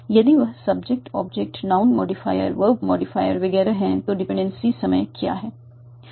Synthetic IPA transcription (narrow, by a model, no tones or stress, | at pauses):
jɐd̪iʋɐɦsɐbd͡ʒek̚ʈɔ̰ːbd͡ʒek̚ʈnãʊnmɔ̰ːɖifa̰ːjə̰ɾʋəɾbmɔːɖɪfaːjəɾʋɐɡɛːɾaɦɛ̃t̪oɖɪpɛ̃ːɳɖẽnsisɐməjkja̰ːɦɛː